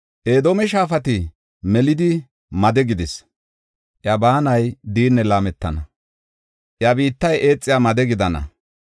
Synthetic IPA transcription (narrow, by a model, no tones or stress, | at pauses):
ʔe̞ːd̪oːmɛʃaːfɐt̪ɪ | mɛlɪd̪ɪ | mɐd̪ɛɡɪd̪ɪs | ʔjɐbaːnɐjd̪iːnːɛlaːmɛt̪ːɐnɐ | ʔjɐbiːt̪ːɐjʔe̞ːt͡sʼːɪjamɐd̪ɛɡɪd̪ɐnɐ̰